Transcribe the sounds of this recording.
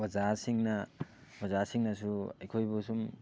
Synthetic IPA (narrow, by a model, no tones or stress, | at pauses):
bɐzaɾsiŋnabɐzaɾsiŋnɐsuɐjkʰojbusum